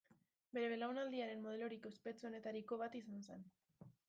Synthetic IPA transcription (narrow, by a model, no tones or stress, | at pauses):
be̞ɾe̞βelawnald̪iaɾe̞nmo̞ð̞e̞lo̞ɾiko̞espe̞t͡so̞ne̞t̪aɾiko̞β̞at̪isanosen